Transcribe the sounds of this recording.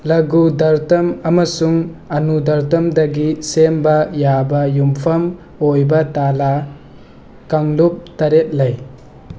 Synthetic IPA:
lɐɡudɐɾtɐmɐmɐsuŋɐnudɐɾt̬ɐmdɐɡisembɐjabɐjumpʰɐm | ojbɐtala | kaŋlup̚tɐɾet̚lɐj

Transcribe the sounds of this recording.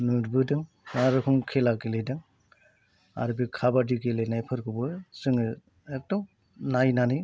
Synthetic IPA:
nudbɯdɯŋ | naɾɯkʰumkʰelakelejdɯŋ | a̰ɾɯbikʰabadiɡelejnajpʰɯɾkʰɯbɯsɯŋɯ | ek̚dɔŋ | najnanɯj

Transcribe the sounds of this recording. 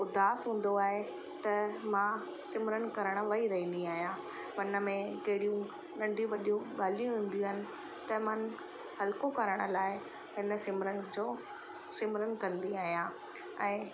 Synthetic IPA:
ʊd̪ʱaːsɦũːn̆d̪oaːɦe | t̪ɐmã | sɪmɾən̆kɐɾəɽ̃̆ʋɐiɾɐɦĩːnd̪iaːɦijãː | ʋɐnə̆mẽkɐɦɪɽijũ | nɐ̃ɳɖʱijũʋɐɗijũɠaːl̤ijũɦĩːn̆d̪ĩɦɪnɪ̆ | t̪ɐmɐn̆ | hɐlkokɐɾəɽ̃ə̆laːɪ | hɪnə̆sɪmɾənɪ̆d͡ʑoː | sɪmɾənɪ̆kɐ̃nd̪iaːɦijãː | ɛ̃ː

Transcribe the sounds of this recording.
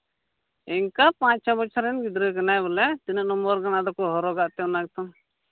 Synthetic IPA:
iŋkapãt͡ʃt͡ʃʰɔbɔt͡ʃʰaɾɛnɡid̪ɾəkanajbɔlɛt̪inəʔnɔmbɔɾkanad̪ɔkɔɦɔɾɔɡaʔt̪ɛɔnak̚t̪ɔm

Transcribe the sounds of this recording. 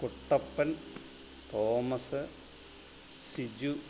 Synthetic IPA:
kuʈːɐpːɐn | t̪oːmɐsɨ | sid͡ʑu

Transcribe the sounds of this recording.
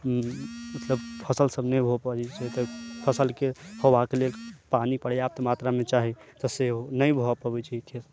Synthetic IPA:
mət̪ləbpʰəsəlsəbnəjbʱopəd͡ʒɛt͡ʃʰɛt̪əpʰəsəlkehʰowakelelpanipəɽjap̚t̪əmat̪ɾamet͡ʃaɦit̪əseonəjbʱoapəbɛt͡ʃʰɛkʰes

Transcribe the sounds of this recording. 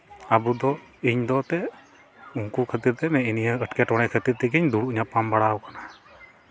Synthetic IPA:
abud̪ɔ | iɲd̪ɔt̪ɛ | uŋkukʰət̪iɾt̪ɛmɛiniɦaəʈkɛʈɔɽ̃ɛkʰət̪iɾt̪ɛɡiɲd̪uɽuʔɲapambaɽawkana

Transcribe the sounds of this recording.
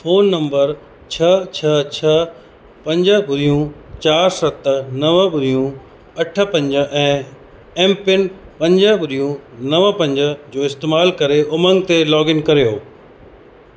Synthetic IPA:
foːnːɐ̃mbəɾ | t͡ɕʰɐt͡ɕʰɐt͡ɕʰɐə | pɐ̃ɲd͡ʑəbʊɾijũt͡ɕaːɾsɐt̪nɐʋəbʊɾijũ | ɐʈʰə̆pɐ̃ɲd͡ʑə̆ʔɛ̃ː | ɛ̃ːmpɪnpɐ̃ɲd͡ʑəbʊɾijũnɐʋəpɐ̃ɲd͡ʑə̆d͡ʑoːɪst̪eːmaːlkɐɾeʔʊmə̃ŋɡt̪elɔːɡɪnkɐɾijoː

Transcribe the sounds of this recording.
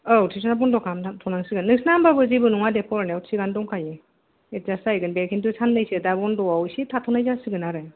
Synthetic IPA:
ɯwtʰis̬ɔnabɔndɔkʰamtʰatʰɔnaŋsɯɡɯnːɯksnambabɯzibɯnuŋadepʰɔɾnewtsiɡandɔŋkʰaje | etzasajɡɯnbeɾkʰintusʰanːɯjsidabɔndɔawsitʰatʰɔnajzasɯɡɯnaɾɯj

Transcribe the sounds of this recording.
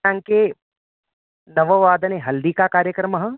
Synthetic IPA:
ãŋke | nɐʋɐʋaːd̪ɐneɦɐld̪ikakaːɾjəkɾɐmɐɦɐ̃

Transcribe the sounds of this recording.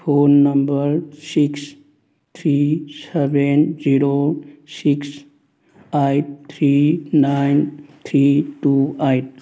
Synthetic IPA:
pʰonːəmbəɾsiks | t̪ʰɾisebend͡ʒiɾosiks | ajʈ̚t̪ʰɾinajnt̪ʰɾiʈuajʈ̚

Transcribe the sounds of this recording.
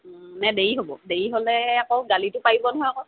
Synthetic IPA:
nɛdeɹiɦobɔdejiɦolɛakoʊɡalitʊpaibɔnɔɦɔjakɔ

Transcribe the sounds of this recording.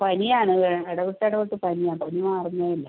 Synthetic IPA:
pɐnijaːɳɨɐɽɐɣuʈːɐɽɐkoʈːɨpɐnijaːpɐnimaːɐriɲːaːjilːɐ

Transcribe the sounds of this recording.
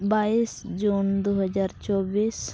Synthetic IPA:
baːiːsd͡ʒuːnd̪oːɦəzaːɾt͡ʃɔːbiːs

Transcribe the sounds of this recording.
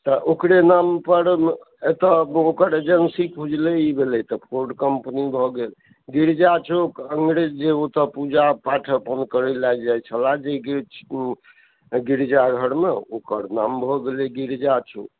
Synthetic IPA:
t̪ɔʔokɾenampəɾ | et̪əokəɾed͡ʒensikud͡ʒleibʱelɛt̪ɔpʰoɾɖkəmpnibʱɔɡel | ɡiɾd͡ʒat͡ʃʰokəŋɡɾed͡ʒd͡ʒeot̪əpud͡ʒapaʈʰəpənkəɾɛlajd͡ʒajt͡ʃʰəlad͡ʒeɡ | ɡiɾd͡ʒaɡʱəɾmeokəɾnambʱɔɡelɛɡiɾd͡ʒat͡ʃʰo̰k

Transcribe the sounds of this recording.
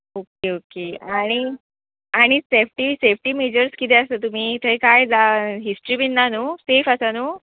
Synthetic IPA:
okeokeaɽ̃i | aɽ̃isefʈisefʈiːmed͡ʑəɾskit̪eəst̪ət̪um̤iːt̪ʰəjkajd͡zaɦisʈɾiːbinːanusefəsanuː

